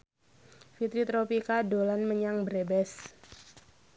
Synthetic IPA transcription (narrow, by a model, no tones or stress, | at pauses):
fit̪ɾit̪ɾopikadolanməɲaŋbəɾebɛs